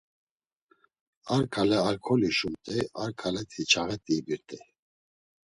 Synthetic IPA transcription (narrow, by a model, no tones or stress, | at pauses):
aɾkʰalɛalkʰɔliʃumt̪ʼɛaɾkʰalɛt̪ʰit͡ʃʰaɣɛt̪ʼibiɾt̪ʼɛ